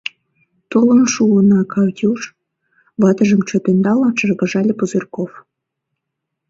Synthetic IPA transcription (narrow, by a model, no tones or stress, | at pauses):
t̪olə̆nʃuənɑkʰɑwt̪ʲuʃ | βɑt̪ə̆ʒə̆mt͡ɕŏt̪ĕnd̪ɑlɑt͡ʃɤrɣɑ̆ʒɑlʲepuzerkof